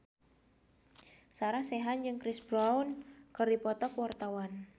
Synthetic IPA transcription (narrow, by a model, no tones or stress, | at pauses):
saɾahseɦand͡ʒɨŋkɾɪsbɾaunkərdipɔt̪ɔkuwart̪awan